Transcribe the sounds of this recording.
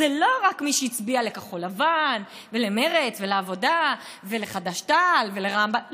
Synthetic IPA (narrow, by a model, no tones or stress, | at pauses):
zelo̞ʁakmiʃeit͡sbiale̞kaχo̞lavan | ve̞leme̞ʁet͡sveleavo̞da | ve̞leχadaʃtalve̞le̞ʁambam